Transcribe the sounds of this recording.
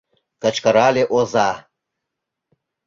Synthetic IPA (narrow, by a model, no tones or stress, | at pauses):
kɐt͡ʃʰkaɾaːleʔozaː